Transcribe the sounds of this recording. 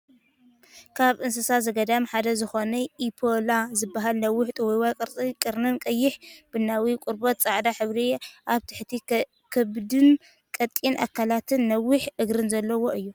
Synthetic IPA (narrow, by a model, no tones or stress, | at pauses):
kʰaβʔɨnsɨsazɐɡɐd̪amħad̪ɐzɨxonɐʔipʰolazɨbːaɦalnɐwːʊħt̪ʼuwjwajkʼɨɾʼkʼɨɾnɨnkʼɐjːɪħb̥ɨnawikʼʊɾbot̪̚t͡sʼaʕd̪aħɨβɾiʔaβt̪ʰɨ̥ħt̪ʰi | kʰɨβd̪ɨn | kʼɐt̪ʼːinʔa̰kʰːalat̪ʰɨnːɐwɪħʔɨɡɾɨnzɐlːɐwo̞ʔɨjːu